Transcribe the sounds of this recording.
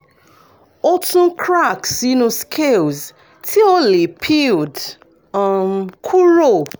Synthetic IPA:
ɔ˦tũ˦kʰɹa˦˨ksi˦nũ˧skʰe˦˨lz | tʰi˦ɔ˦le˨pʰi˦˨ld | mkʰu˦ɾo˦˨

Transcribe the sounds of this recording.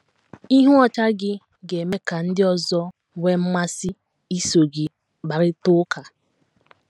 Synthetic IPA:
i˦ɦu˦ɔ˨ta˦ɡɪ˦ | ɡe˨me˦ka˨n̩˦dɪ˦ɔ˦zɔ˦ | we˦m̩˦ma˦sɪ˦ | i˦so˨ɡɪ˨ | ɡ͡ba˨ɾɪ˦tʊ˦ka˨

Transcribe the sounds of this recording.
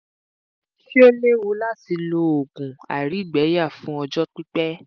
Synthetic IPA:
fi˦o˦le˦wo˧˦la˦˨ti˧lo˧˦o˨ɡũ˨a̰˨ɾi˨˦˨ɡ͡bɛ˨˦ja˦˨fũ˦ɔ˧d͡ʒɔ˦k͡pi˦k͡pɛ˦

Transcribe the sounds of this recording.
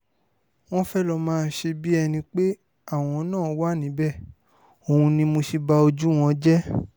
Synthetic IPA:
w̃ɔ̃˦fɛ˦lɔ˧mãː˧n̩˦ʃe˧bi˦ɛ˧nĩ˧k͡pe˦ | a˦˨w̃ɔ̃˧˦nãː˦˨˦wa˦˨nĩ˨˦bɛ˦˨ | o˨hũ˧nĩ˧mo˧ʃi˧ba˧o˧d͡ʒu˦w̃ɔ̃˧d͡ʒɛ˦

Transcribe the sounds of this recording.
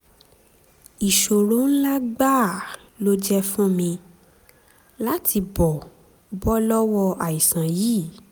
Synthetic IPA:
i˨ʃo˨ɾõ˨˦n̩˦la˦ɡ͡ba˦˨ | lo˦d͡ʒɛ˦fũ˦mĩ˧ | la˦tʰi˧bɔ˨ | bɔ˦lɔ˦wɔ˧a˨i˨sã˨ji˦˨

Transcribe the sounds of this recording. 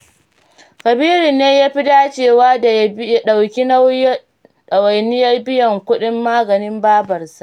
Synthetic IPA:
kɐ˨biː˦ɾi˨nːeː˦jaː˦ɸi˦daː˦t͡ʃeː˦˨waː˦da˨ja˦ɗa˨wkʲi˦na˦w | ɗɐ˨wa˨jnɪ˦jɐ˦rbɪ˦jɐ˨ŋkʷʊ˦ɗɪ˦mːaː˦ɡɐ˨nɪ˦mbaː˦bɐ˨rsa˦ʔ

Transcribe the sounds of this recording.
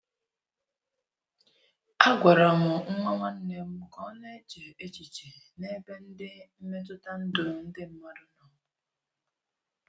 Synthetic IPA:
a˦ɡʷa˨ɾa˨mʊ˨ŋ̩˦ŋʷa˦ŋʷa˦n̩˦ne˦m̩˦kɔ˦ne˦t͡ʃe˨e˦t͡ʃi˨t͡ʃe˨ | ne˦be˦n̩˦dɪ˦m̩˦me˦t̬ʊ˦ta˦n̩˦dʊ˨n̩˦dɪ˦m̩˦mɔ˦dʊ˦nɔ˨˦

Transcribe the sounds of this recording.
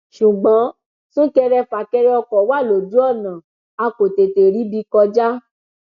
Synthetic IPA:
ʃu˨ɡ͡bã˨˦ | sũ˦kɛ˧ɾɛ˧fa˨kɛ˧ɾɛ˧˦ɔ˧kɔ˨wa˦˨lo˨du˨˦ɔ˦˨nã˨ | a˧ko˨te˨te˨ɾi˨˦bi˧kɔ˧d͡ʒa˦

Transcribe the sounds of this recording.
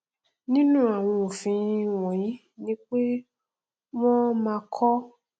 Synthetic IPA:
nĩ˦nũ˦a˨w̃ɔ̃˧o˨fĩ˧wɔ̃˨jĩ˨˦ | nĩ˦k͡pe˦ | mɔ̃˦mãː˧kʰɔ˦

